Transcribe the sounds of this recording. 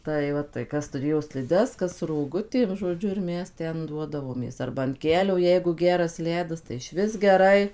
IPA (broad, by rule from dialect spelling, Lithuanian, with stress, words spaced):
tɐɪ ˈʋɐ tɐɪ ˈkɐs tʊˈrʲeːjoː sʲlʲɪˈdʲɛs ˈkɐs roːˈɡʊtʲeːm ʒoːˈd͡ʒʲʊ ɪr ˈmʲɛs ˈtʲɛn ˈduɔdɐʋoːmʲeːs ˈɐrbɐ ɐn ˈkʲæːlʲoː ˈjɛɪɡʊ ˈɡʲæːrɐs ˈlʲæːdɐs tɐɪ ˈɪʃʲʋʲɪs ɡʲɛˈrɐɪ